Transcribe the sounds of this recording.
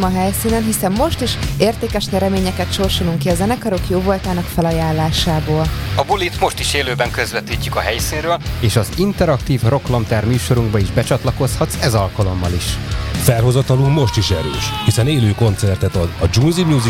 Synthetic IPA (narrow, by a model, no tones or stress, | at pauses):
mɒɦɛjsiːnɛnɦisɛmːo̞ʃt̪iʃeːrt̪eːkɛʃnɛɾɛmeːɲɛkɛt̪ʃo̞rʃoluŋkiɒzɛnɛkɒɾo̞kjoːvolt̪aːnɒkfɛlɒjaːlːaːʃaːboːlɒbulit̪mo̞ʃt̪iʃeːløːbɛŋkøzvɛt̪iːcːykɒɦɛjsiːnrøːleːʃɒzint̪ɛɾɒkt̪iːvro̞klɒmt̪ɛrmyːʃo̞ɾuŋɡbɒiʒbɛt͡ʃɒt̪lɒko̞shɒt̪sɛzɒlkɒlo̞mːɒliʃfɛlɦo̞zɒt̪ɒluɡmo̞ʃt̪iʃɛ̰ɾø̰ːʃhisɛneːløːko̞nt̪sɛrt̪ɛt̪ɒd̪ɒd͡ʒuːnzimjuːzi